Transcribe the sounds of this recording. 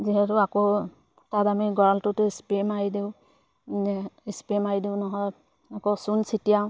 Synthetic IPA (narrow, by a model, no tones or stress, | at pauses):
ziɦɛtʊakɔ | tatamiɡɔɹaltʊtʊispemaɹidiʊ | ispemaidiʊnɔɦɔj | akɔsunsitijaʊ̃